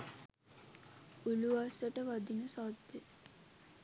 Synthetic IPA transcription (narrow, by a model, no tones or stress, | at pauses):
uluasəʈəʋad̪inəsad̪ːe